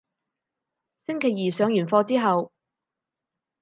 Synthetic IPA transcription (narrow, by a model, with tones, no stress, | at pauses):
sɪ˥ŋkʰe˨˩jiː˨˩sœː˨˧ŋjyː˨˩nfɔː˧t͡siː˥ɦɐ˨w